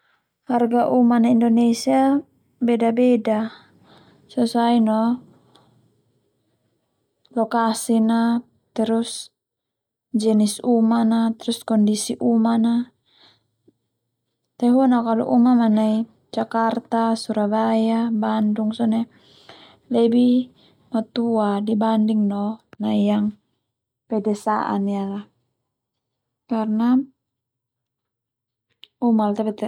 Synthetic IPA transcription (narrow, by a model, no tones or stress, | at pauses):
harɡaʔumanaindɔnɛsia | bɛdabɛda | susainɔ | lɔkasina | t̪ɛɾus | d͡ʒɛnisumanat̪ɛɾuskɔndisiʔumana | t̪ɛɦunakalṵʔumamanai | t͡ʃakart̪asuɾabajabanduŋsɔnɛ | lɛbi | mat̪uadibandiŋnɔnaijaŋ | pɛdɛsa̰ʔa̰niala | karna | umalt̪apɛt̪ɛ